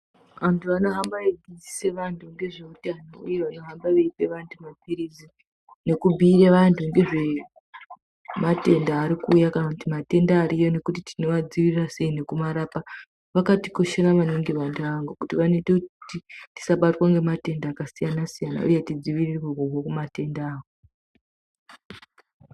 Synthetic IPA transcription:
ʋantʰuano̞ɦambaeɡid͡zise̞ʋantʰuŋɡe̞ʐe̞utanoṵje̞ʋano̞ɦambaʋeipe̞ʋantʰumapiɾizi | ne̞kubʱiːreʋantʰuŋɡe̞ʐe̞ | mate̞ndaːɾikuːjakanakutimate̞ndaːɾijone̞kutitino̞ʋad͡ziʋirirase̞ine̞kumaɾapa | ʋakatiko̞ʃeraʋaniŋɡiʋantʰuaŋɡukutiʋaneteutiti̥saɓatwaŋɡe̞mate̞ndaːkasijanasijana̰ʔṵjetid͡ziʋirieɦoɦokumate̞ndaːko

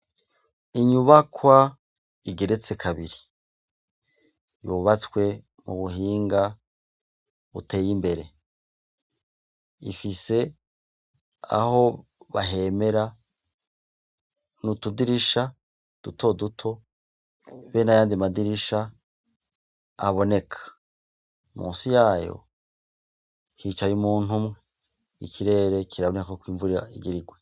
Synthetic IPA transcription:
iɲuβakwa | iɡeɾet͡se̞kʰaβiɾi | juβat͡skwe̞ | mṵβuɦiːŋɡa | βṵtʰe̞ːjimbe̞ɾe̞ | ifise̞ | a̰ho̞βaɦe̞me̞ɾa | nutudiɾiʃa | d̥utʰo̞dutʰo̞ | βenajaːndimadiɾiʃa | βo̞ne̞kʰḁ | mṵːnsijaːjo̞̰ | hit͡ʃajumuːn̥umŋe | ḭkiɾe̞ɾe̞kiɾaβo̞nekakokwiːɱvuɾija̰iɡiɾiɡwe

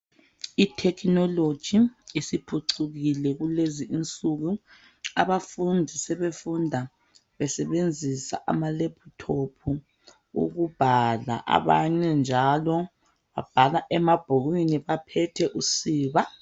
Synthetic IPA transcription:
itʰɛkʰinɔlod̥ʒ̥ʱiːsipʰuǀuɣilɛɣuleziʔint͡sʼuɣu | a̰βafundʱisɛβefundʱa | βɛsɛβend͡zʱisa̰ʔa̰maleb̥ʰʱutʰopʰu | ṵɣub̥ʱala̰ʔa̰βaɲɛnd͡ʒʱalɔ | βab̥ʱalaʔɛmab̥ʱoɣwiniβapʰɛtʰɛʔusiːβa

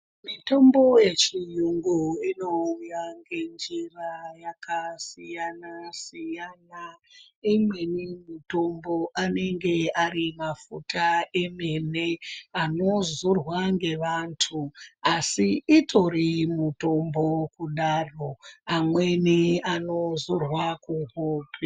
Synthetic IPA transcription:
mito̞mbo̞je̞t͡ʃijuŋɡuino̞ujaŋɡe̞nd͡ʒirajakasijanasijana | imwe̞nimuto̞mbo̞ʔane̞ŋɡe̞arimafutʰaeme̞neano̞zurwaŋɡe̞ʋantʰuasiːtʰo̞rimuto̞mbo̞kuɗaro̞amwe̞neano̞zurwakuɦoːpʰe

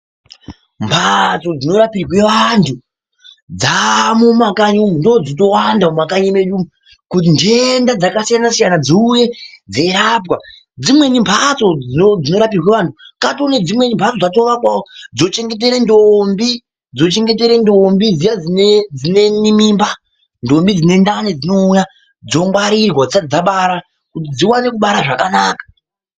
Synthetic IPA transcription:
mpʰat͡so̞d͡zino̞ɾapirwe̞ʋantʰu | d͡zamumakaɲndod͡zit̬o̞wandaumakaɲimeɗumu | kut̬indendad͡zakasijanasijanad͡ziuje̞d͡ze̞ɾapka | d͡zimwe̞nimpʰat͡so̞d͡zinod͡zino̞ɾapirwe̞ʋantʰukatoned͡zimwe̞nimpʰat͡so̞d͡zato̞ʋakwawod͡zo̞t͡ʃe̞ŋɡe̞t̬e̞ɾendombi | d͡zo̞t͡ʃe̞ŋɡe̞t̬e̞ɾendo̞mbid͡zijad͡zined͡zine̞nimimba | ndo̞mbid͡zine̞ndaned͡zino̞uja | d͡zo̞ŋɡwaɾirwad͡zisad͡zaɓaɾa | kut̬id͡ziwane̞kuɓaɾaʐakanaːkḁ

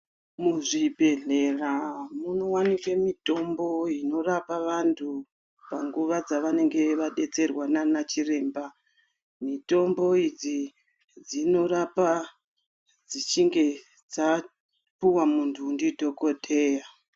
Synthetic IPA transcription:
muʐibʱe̞ɮe̞ramuno̞wanikwemito̞mbo̞ino̞rapaʋantʰu | paŋɡuʋad͡zaʋane̞ŋɡe̞ʋaɗe̞t͡se̞rwananat͡ʃire̞ːmba | mito̞mbo̞id͡zi | d͡zino̞rapa | d͡zit͡ʃiŋɡe̞ | d͡za | puwamuntʰuːndidʱo̞ko̞tʼʰe̞ːja

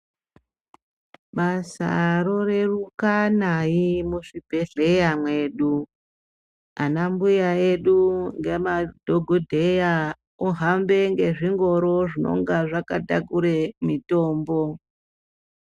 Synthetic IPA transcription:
ɓasa̰ro̞re̞rukanaimuʂibʱe̞ɮe̞jamwe̞ːɗu | anambujae̞ɗuŋɡe̞madʱoɡʱodʱe̞ja | oɦambe̞ŋɡe̞ʐiŋɡo̞ɾo̞ʐino̞̰ŋɡaʐakatakuɾemito̞ːmbo̞

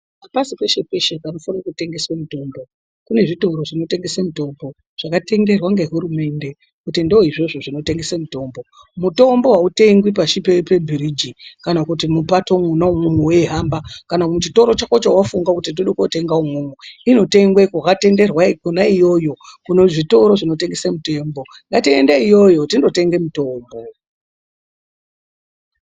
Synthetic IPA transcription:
apasipe̞ʃepe̞ʃekano̞fanakute̞ŋɡe̞samuto̞ːmbo̞ | kune̞ʐito̞ɾo̞ʐino̞te̞ŋɡe̞semuto̞ːmbo̞ | ʐ̥akate̞ŋɡe̞rwaŋɡeɦuɾume̞nde | kutindeoiʐo̞ʐoʐino̞te̞ŋɡe̞semuto̞ːmbo̞ | muto̞mbo̞ɦaute̞ŋɡwipaʃipepebʱiɾid͡ʒikanakutimupatomunaumumuwe̞ɦambakanakut͡ʃito̞ɾo̞t͡ʃakot͡ʃawafuŋɡakutindoɗokote̞ŋɡaumumuino̞te̞ŋɡwekakate̞nde̞rwakunaijo̞jo̞kunoʐito̞ɾo̞ʐino̞te̞ŋɡe̞semute̞mbo̞ | ŋɡatiendaijo̞jo̞tindo̞te̞ŋɡe̞muto̞ːmbo̞

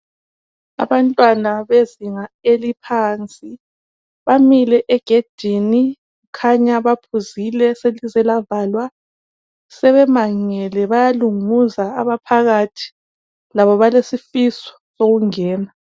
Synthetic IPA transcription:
a̰βantʼwanaβeziŋaelipʰaːnt͡sʼi | βamilɛʔɛɡ̥ʱed̥ʱini | ɣukʰaɲaβapʰuzilɛselizɛlavalwa | sɛβɛmaŋɛlɛβajaluŋuza̰ːβapʰaɣatʰi̥ | laβɔβalesifisɔ̥soɣuŋɛːna

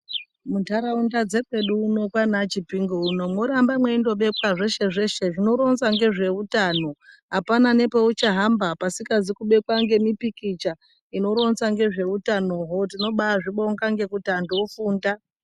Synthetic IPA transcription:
muntaɾaundad͡ze̞kwe̞ɗuːno̞kwanat͡ʃipiŋɡouno̞mwo̞ɾambamwe̞indo̞ɓe̞kwaʐe̞ʃe̞ʐe̞ʃe̞ʐino̞ɾo̞nsaŋɡe̞ʐe̞utaːno̞ɦapanane̞pe̞ut͡ʃaɦambapasikazikuɓe̞kwaŋɡe̞mipikit͡ʃa | ino̞ɾo̞nsaŋɡe̞ʐe̞utano̞ːɦotino̞ɓaaʐiɓoŋɡaŋɡe̞kutandofuːnda

